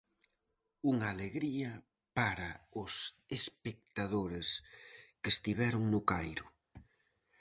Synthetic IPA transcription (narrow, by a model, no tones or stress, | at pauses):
uŋaleɣɾiɐ | paɾaʊsespek̚t̪aðoɾeskest̪iβɛɾʊŋnʊkajɾʊ